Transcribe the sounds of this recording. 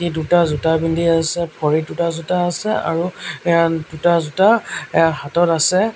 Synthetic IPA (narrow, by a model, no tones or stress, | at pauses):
idutazutabindiasɛpʰɔɹidutazutaːsɛ̰a̰ɹuɛjadutazutaɛjaɦatɔtasɛ